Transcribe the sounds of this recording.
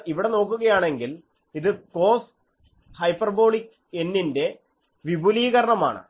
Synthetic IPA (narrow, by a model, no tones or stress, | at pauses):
iʋiɽe̞no̞ːkːuɣɐjaːɳe̞ŋɡil | iðɨko̞ːs | hɐjpːɐrbo̞ːɭik | enːinde̞ | ʋibʱuliːɣɐɾɐɳɐma̰ːɳɨ̰